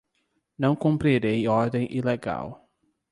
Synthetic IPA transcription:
nɐ̃w̃kõmpɾiɾejɔɾd̪ẽj̃ʔileɡa̰w

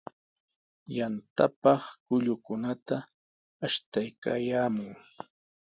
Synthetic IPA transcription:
jant̪apɑχkʊʎʊkʊnat̪a | aʃt̪ajka̰ːjaːmʊŋ

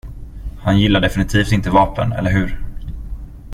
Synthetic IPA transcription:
hanjɪlːaɖɛfɪnɪt̪ʰiːft̪ɪnt̪əvɑːpə̰nɛ̰lːəɾɦɵ̟ɾ

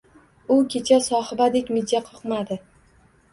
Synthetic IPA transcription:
ʊkʲʰet͡ʃʰasɒhɪbad̪ekʲmɪd̪aqʰɨqmad̪ɪ

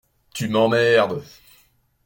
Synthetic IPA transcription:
t̪ymɑ̃mɛʁd̪

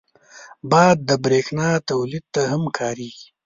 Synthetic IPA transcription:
bɑjd̪̚ːəbɾeːxnɑt̪awlid̪̚t̪aɦamkʰɑːɾiːɡi

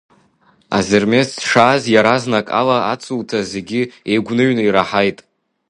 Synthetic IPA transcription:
a̰zɨrmesʂaːzjaɾaznakʼa̰laat͡sʰʼultʰazeɡʲiejɡʷnɨɥnɨiɾaħajtʼ

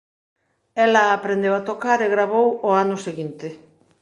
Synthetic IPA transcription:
elaːpɾend̪eβat̪okaɾeɣɾaβowoanuseɣint̪e

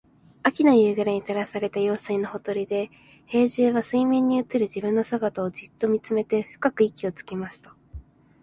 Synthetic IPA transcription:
akʲinajɯ̟ːɡɯɾaɲ̟it̪aɾasaɾe̞t̪ajo̞ːsɨino̞ho̞t̪o̞ɾʲid̪e̞ | he̞ːʑɨβasɨimẽ̞ɲ̟ːiɯt͡sɨɾɯ̟ʑibɯ̟̃nːo̞saɡat̪aoʑɨt̪ːo̞mʲit͡sɨme̞t̪e̞ɸɯ̟̥kakɯ̟ikʲio̞t͡sɨ̥kʲimasɨ̥t̪ḁ

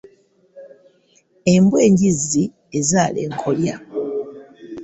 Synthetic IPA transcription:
embweːɲɟizi | ezaːlḛːŋkʰolja

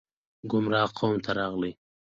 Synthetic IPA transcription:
ɡʊmɾɑːqʰowmt̪ʰaɾɑːɣli

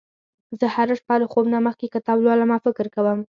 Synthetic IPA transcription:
zəhaɾəʂpɑlaxobnaməxkekat̪ɑblwɑlamɑfɪkɪɾkawəm

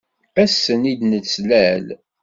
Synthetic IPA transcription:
æsːənid̪nət͡sːlæl

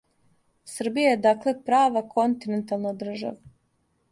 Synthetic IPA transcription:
sr̩bijajed̪akle̞pɾaːʋakʰont̪inent̪alˠnad̪r̩ʒa̰ʋa

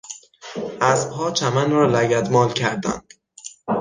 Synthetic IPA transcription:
ʔæzbɦɒːt͡ʃʰæmænɾɒːlæɟæd̪mɒːlcʰæɾd̪æ̰nd̪̥

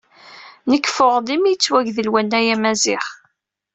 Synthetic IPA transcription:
nəkːfʊʁd̪imijət͡sːwæʝðəlwænːæjæmæzɪχ

